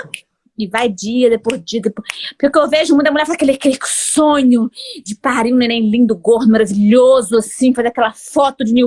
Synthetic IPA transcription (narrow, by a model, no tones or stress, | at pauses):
ɪvajd͡ʒiɐd̪epozd͡ʒiɐd̪epopelʊkeewveʒʊmũj̃d̪ɐmulɛɾfazakelɪakelɪksõɲʊd͡ʒɪpaɾĩɲʊnẽj̃nẽj̃lĩd̪ʊɡoɾnʊmaɾaviʎozʊasĩfazeɾakɛlɐfɔt̪ʊd͡ʒɪni